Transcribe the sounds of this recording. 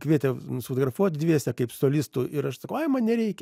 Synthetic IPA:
kʋʲiɛt̪ʲɛsfoːt̪oːɡrɾɐfuɔt̪ʲd̪ʲʋʲiɛsʲɛkɐɪpsoːlʲɪst̪ʊʔɪɾɐʃsɐkɐʊɐɪmɐnnʲɛɾʲɛɪkʲɛ

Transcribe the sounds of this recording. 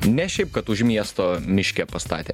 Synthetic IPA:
nʲɛʃʲɛɪp̚kɐt̪ʊʃmʲiɛst̪oːmʲɪʃʲkʲɛpɐst̪ɑ̰ːt̪ʲeː

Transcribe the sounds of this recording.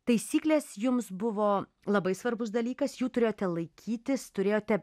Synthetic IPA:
t̪ɐɪsʲiːklʲeːsjʊmsbʊʋoː | lˠɐbɐɪsʋɐrbʊsd̪ɐlʲiːkɐsjuːt̪ʊɾʲeːjoːt̪ʲɛlˠɐɪkʲʰiːt̪ʲɪst̪ʊɾʲeːjoːt̪ʲɛ

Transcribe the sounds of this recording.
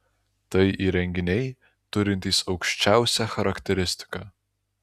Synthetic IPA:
t̪ɐɪʔiːɾʲɛŋʲɡʲɪnʲɛɪ | t̪ʊɾʲɪnʲt̪ʲiːsɒʊkʃʲt͡ʃʲæˑʊsʲæxɐɾɐkt̪ʲɛɾʲɪsʲt̪ʲɪ̥kɑː

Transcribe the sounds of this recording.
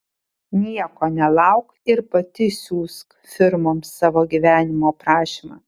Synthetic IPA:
nʲiɛkoːnʲɛlˠɐʊk | ɪɾpɐt̪ʲɪsʲuːsk | fʲɪɾmoːmsːɑːʋoːɡʲiʋʲæːnʲɪmoːpɾɑːʃʲimɑ̰ː

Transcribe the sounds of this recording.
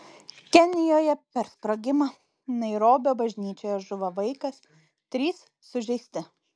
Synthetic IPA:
kʲɛnʲɪjoːjɛpʲɛɾspɾoɡʲɪmɐ | nɐɪɾoːbʲoːbɐʒʲnʲiːt͡ʃʲoːjoːʒʊʋɐʋɐɪkɐs | t̪ʲɾʲiːsːʊʒʲɛɪsʲt̪ʲɪ

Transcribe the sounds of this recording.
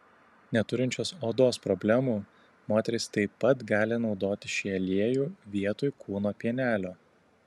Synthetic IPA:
nʲɛt̪ʊɾʲɪnʲt͡ʃʲoːsoːd̪oːspɾɔbʲlʲæmuː | moːt̪ʲɛɾʲɪst̪ɐɪpːɐt̪ɡɑːlʲɪnɒʊd̪oːt̪ʲɪʃʲɛːlʲiɛjuːʋʲiɛt̪oːjkʰuːnoːpʲiɛnʲæːlʲoː

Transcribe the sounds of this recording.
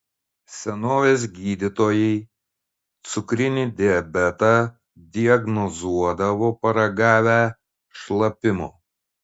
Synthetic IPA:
sʲɛnoːʋʲeːs̬ɡʲiːd̪ʲɪt̪oːjɛɪ | t̪sʊkɾʲɪnʲid̪ʲɪɐbʲɛt̪ɑ | d̪ʲɪɐɡnɔzuɔd̪ɐʋoːpɐɾɐɡɑːʋʲæ | ʃlˠɐpʲɪmo̰ː

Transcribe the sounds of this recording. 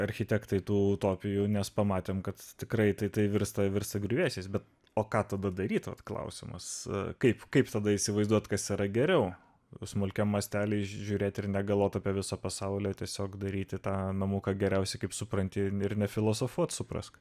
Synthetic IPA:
ɐɾʲxʲɪt̪ʲɛkt̪ɐɪt̪uːt̪oːpʲɪjuːnʲɛspɐmɑːt̪ʲeːmkɐt̪t̪ʲɪkɾɐɪt̪ɐɪt̪ɐɪʋʲɪɾst̪ɐʋʲɪɾst̪ɐɡɾʲʊʋʲeːsʲeːsbʲɛt̪ | oːkɑːt̪ɐd̪ɐd̪ɐɾʲiːt̪ʋɐ̰t̪klˠɐ̰ʊsʲɪmɐ̰skɐɪpkɐɪpt̪ɐd̪ɐɪsʲɪʋɐɪzd̪uɔt̪kɐsiːɾɐɡʲɛɾʲɛʊ | smʊlʲkʲɛmːɐsʲt̪ʲæːlʲɛʒʲuːɾʲeːt̪ʲɪɾnʲɛɡɐlˠʋoːt̪ɐːpʲiɛʋʲɪsɐpɐsɐʊlʲeːt̪ʲiɛsʲoːkd̪ɐɾʲiːt̪ʲɪt̪ɑːnɐmuːkɐɡʲɛɾʲɛʊsʲɛɪkɐɪpsʊpɾɐnʲt̪ʲɪɪɾnʲɛfʲɪlˠoːsofuɔt̪sʊpɾɐ̰sk

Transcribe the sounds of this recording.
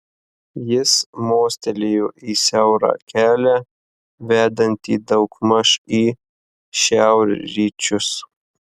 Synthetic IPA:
jɪsmoːsʲt̪ʲɛlʲejuːʔiːsʲæˑʊɾɑ̰ːkʲæːlʲæ | ʋʲæːd̪ɐnʲt̪ʲiːd̪ɐʊkmɐʃiː | ʃʲæˑʊɾʲɾʲiːt͡ʃʲʊs

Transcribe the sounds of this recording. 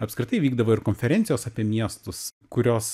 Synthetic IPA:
ɐpskɾʲɪt̪ɐɪʋʲiːɡd̪ɐʋoːɪɾkoːnʲfʲɛɾʲɛnʲt̪sʲɪjoːsɐːpʲiɛmʲiɛst̪ʊs | kʊɾʲoːs

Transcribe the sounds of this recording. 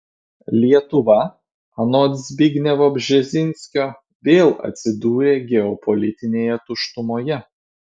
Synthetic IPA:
lʲiɛt̪ʊʋɐ | ɐnot̪zʲbʲɪɡʲnʲɛʋoːbʲʒʲɛzʲɪnʲsʲkʲoː | ʋʲeːlˠɐ̰t̪ʲsʲɪd̪uːɾʲeːɡʲɛɔpɔlʲɪt̪ʲɪnʲeːjɛt̪ʊʃt̪ʊmoːjɛ

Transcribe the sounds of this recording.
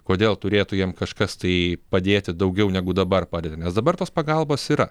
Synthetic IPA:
koːd̪ʲeːlˠt̪ʊɾʲeːt̪ʊjiɛmkɐʃkɐst̪ɐɪpɐd̪ʲeːt̪ʲɪd̪ɐʊɡʲɛʊnʲɛɡʊd̪ɐbɐrpɑːdʲeːt̪ʲɪnʲɛsd̪ɐbɐrt̪oːspɐɡɐlˠboːsiːɾɐ

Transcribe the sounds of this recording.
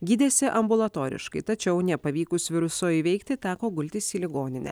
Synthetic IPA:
ɡʲiːd̪ʲeːsʲɪʔɐmbʊlˠɐt̪oːɾʲɪ̰ʃkɐɪt̪ɐt͡ʃʲɛʊnʲɛpɐʋʲiːkʊsʋʲɪɾʊsoːjʋʲɛɪkt̪ʲɪt̪ʲæːkoːɡʊlʲt̪ʲɪsiːlʲɪɡoːnʲɪnʲɛ̰

